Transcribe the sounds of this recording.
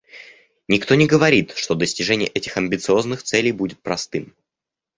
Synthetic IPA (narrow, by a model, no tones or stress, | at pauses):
nʲɪkt̪o̞nʲɪɡəvɐɾʲit̪ʂt̪o̞d̪əsʲtʲɪʐɛnʲɪjə̰ʔɛtʲɪxɐmʲbʲɪt̪sɨo̞znɨxt̪sɛlʲɪjbudʲɪt̪̚pɾɐst̪ɨm